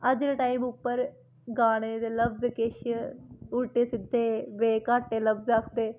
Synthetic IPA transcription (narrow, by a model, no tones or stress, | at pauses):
əd͡ʒɾeːʈaːimʊpːəɾ | ɡaːɽ̃eːd̪eːləbzkɪʃ | ʊʈeːsɪd̪ʱeːʋeːkaːʈːeːləbzɾakʰd̪eː